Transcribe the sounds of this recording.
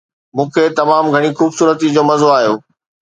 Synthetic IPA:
mũːkʰet̪ɐmaːmɡʱɐɽ̃ixuːbsuːɾət̪id͡ʑoːmɐzoaːɦijoː

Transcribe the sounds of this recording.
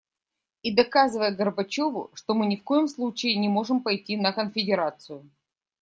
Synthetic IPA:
id̪ɐkazɨvəjəɡərbɐt͡ɕo̞vʊ̰ʂt̪o̞mɨnʲɪfko̞jɪmslˠut͡ɕɪɪnʲɪmo̞ʐɨmpɐjtʲinəkənfʲɪdʲɪɾat̪sɨjʊ

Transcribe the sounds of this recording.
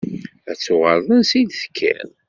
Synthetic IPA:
æt͡sːʊʁəɾðˤənsid̪θə̥kʰːæ̰n

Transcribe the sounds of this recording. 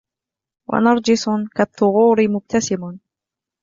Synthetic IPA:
wa̰nɑɾˤd͡ʒɪsˤkat̪ˤːʊɣuːɾɪmʊb̚t̪ʰasɪmʊn

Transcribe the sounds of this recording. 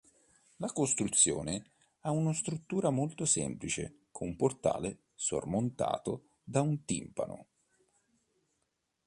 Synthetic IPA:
lakost̪ɾut̪sːjo̰ːne | aunost̪ɾut̪ːuːɾamolt̪osɛ̰mplit͡ʃḛ | kʰomport̪a̰ːle | so̰rmont̪a̰ːt̪o | d̪aunt̪ḭmpa̰no̰

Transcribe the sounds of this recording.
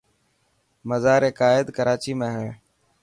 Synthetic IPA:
məzaːɾeːkaːɪd̪kəɾaːt͡ʃiːmẽːɦəɳ

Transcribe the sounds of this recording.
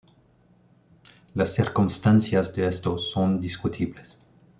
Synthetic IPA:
lasːiɾkumst̪ansjazd̪eest̪osond̪iskut̪ʰibles

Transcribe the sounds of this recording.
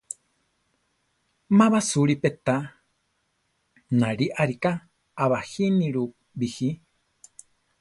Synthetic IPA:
mãβasuɾipet̪a | naɾiʔaɾikaː | βahiniɾu | bihi

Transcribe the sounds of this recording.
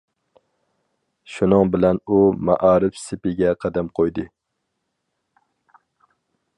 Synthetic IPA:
ʃunɨŋbɪlɛnumæ̰ʔɑːɾɪfsɪpɪɡʲɛqʰɑd̪æmqʰojd̪ɨ

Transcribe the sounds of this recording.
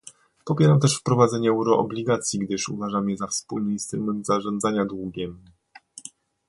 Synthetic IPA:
pɔpʲjɛɾamt̪ɛʂfpɾɔvad̪zɛɲɛɛwɾɔʔɔ̰blʲiɡat̪sʲjiɡd̪ɘʂṵvaʐamjɛzafspulmʲiɲist̪ɾumɛnt̪zaʐɔnd̪zaɲad̪wuɡʲɛm

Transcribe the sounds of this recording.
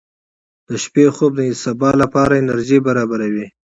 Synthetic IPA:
d̪̥əʃpexob̚d̪əɪsɑbɑlapɑɾaɪnaɾʒibaɾɑbaɾawi

